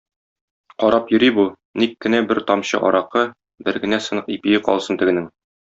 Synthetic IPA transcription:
qɒɾɑpjɵ̆ɾibu | nikːɘ̆næbɘɾt̪ɒmɕɤ̰ʔɒ̰ɾɑqɤ | bɘɾɡɘ̆næsɤ̆nɤqipijɘqɒ̰lˠsɤnt̪ɘ̆ɡɘ̆nɘŋ

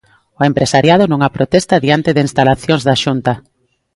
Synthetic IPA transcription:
ʊempɾesaɾjað̞ʊnũŋapɾot̪ɛst̪aðiant̪ɪðɪinst̪alaθjõnzðaʃunt̪a

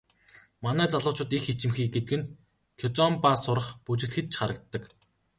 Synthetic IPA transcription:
manæːt͡saɮʊːt͡ɕʊ̆t̪ixit͡ɕɪ̆mxiːk̚ɡet̪ɘ̆kɘ̆n | kʰɔt͡sɔmpasʊɾə̆χput͡ɕɪ̆ɮxɘ̆t̪t͡ɕʰχaɾə̆k̚t̪ːə̆k

